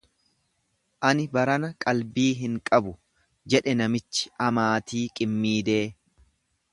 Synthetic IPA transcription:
ʔɐnɪbɐɾɐnɐkʼɐlbiːɦɪŋkʼɐbʊ | d͡ʒɛᶑɛnɐmɪt͡ʃːɪ̥ʔɐmaːt̪iːkʼɪmːiːd̪eː

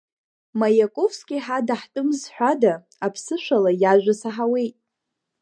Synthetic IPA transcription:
majakʼofskʲʼiħadaħtʼɨmzħʷᶣada | apʰsɨʃʷalajaʒʷᶣasaħawe̞jtʼ

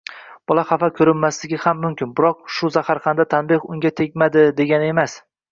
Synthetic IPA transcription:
b̥ɒlˠaχafakʲʰɵɾɪnmaslɪɡʲɪhamːʊmkʲʰɪnbɪɾɒq̚ʃʊzahaɾχɑnd̪at̪ʰanbɪhʊŋɡʲat̪ʰe̞k̚ʲmad̪ɪd̪e̞ɡʲanɪe̞mas

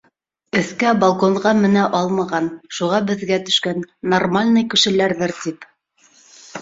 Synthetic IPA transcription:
ɵ̆θkæbɑlˠkoɴʁɑmɘ̆næʔɑlˠmɑʁɑnʃuʁɑbɘ̆ðɡæt̪ɵ̥̆ʃkænːormalʲnɤjkɘ̆ʃɘ̆læɾðɤɾt̪ip

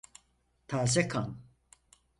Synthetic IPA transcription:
t̪ʰaːsɛkʰaːn

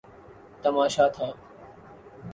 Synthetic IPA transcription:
t̪əmaːʃaːt̪ʰaː

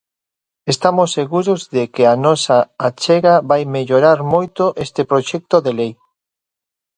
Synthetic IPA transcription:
est̪amosːeɣuɾozðekɪanɔsaat͡ʃɛɣaβajmeʎoɾaɾmojt̪oʔest̪epɾoʃɛk̚t̪oðelej

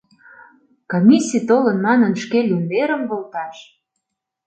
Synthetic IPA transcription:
komʲisʲit̪olənmɑnənʃkelund̪eɾə̆mβolt̪ɑʃ

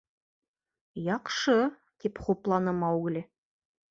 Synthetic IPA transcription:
jɑqʃɤ | t̪epχoplˠɑnəmɑwɡɘ̆lʲɘ

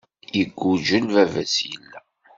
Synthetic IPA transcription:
jəɡʷːud͡ʒəlvævæsjəlːæ

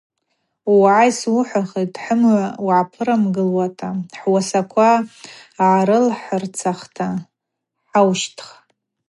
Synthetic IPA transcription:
wʕajsʊħʷaχejtʼħəmwʕapʰɨɾamɡɨlwatʰʼaħwasakʷʰa | ʕaɾɨlħərt͡sʰaχtʰa | ħawʃtʰχ

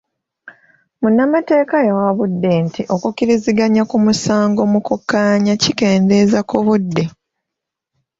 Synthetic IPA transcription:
munːamate̞ːkajawaβudːe̞ntiʔo̞kukiɾiziɡaɲakumusaːŋɡo̞mukukːaːɲacike̞ːnde̞zakuβudːe̞

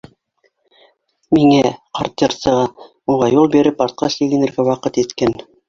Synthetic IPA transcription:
miŋæqɑɾt̪ːɤɾt̪sɤ̆ʁɑ | uʁɑjulˠbiɾɘpɑɾt̪̚qɑʃlilɘ̆nɘ̆ɾɡæwɑqɤt̪it̪kæn

